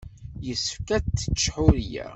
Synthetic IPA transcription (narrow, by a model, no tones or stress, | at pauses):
jəsəfkæːə̥t͡ʃːħuɾjæ̰